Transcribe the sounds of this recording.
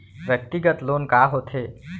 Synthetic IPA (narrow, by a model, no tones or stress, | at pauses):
ʋjək̚t̪iɡət̪loːnkaɦot̪ʰeː